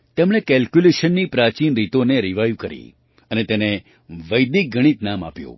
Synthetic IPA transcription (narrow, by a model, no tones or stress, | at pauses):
t̪emɽ̃ekɛlkjuleʃənːipɾat͡ʃinɾit̪oneɾiʋajũkəɾḭ | ənet̪ene | ʋəjd̪ik̚ɡʱəɽ̃it̪nama̰pjṵ̃